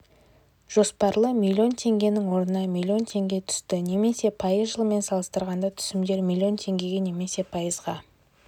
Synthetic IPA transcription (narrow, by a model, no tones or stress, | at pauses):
ʒ̥o̞spɑɾlˠəmʲilʲːio̞nt̪ʰe̞ŋɡʲe̞nɪŋwo̞ɾənɑmʲilʲːio̞nt̪ʰe̞ŋɡʲe̞t̪ʰʏ̥st̪ɪne̞me̞se̞pʰɑjəzʒəlˠme̞nsɑlˠəst̪əɾʁɑnd̪ɑt̪ʰʏ̥sɪmd̪e̞ɾmʲilʲːio̞nt̪ʰe̞ŋɡʲe̞ɡʲe̞ne̞me̞se̞pʰɑjəzʁɑ